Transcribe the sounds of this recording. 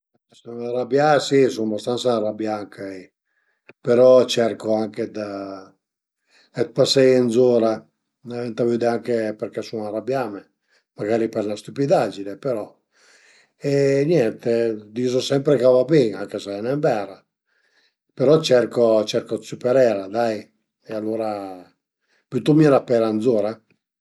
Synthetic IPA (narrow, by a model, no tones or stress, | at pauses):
sunarabjasisumbast̪ansarabjaŋkʰai | peɾɔt͡ʃɛɾkoaŋked̪a | ɛt̪̚pasːɛjenzɔːɾa | navɛnt̪avyd̪eaŋkepeɾkɛsunaɾabjaːme | maɡaːɾipɛɾnast̪upid̪ad͡ʒinepeɾɔ | ɛnɛnt̪ed̪iːzosɛmpɾekavabeŋaŋkesaɛnɛmbɛːɾa | peɾɔt͡ʃɛɾkot͡ʃɛɾkosypɛɾɛːɾad̪aj | ɛalːoːɾa | put̪umiɛɾapɛɾand̪zoːɾa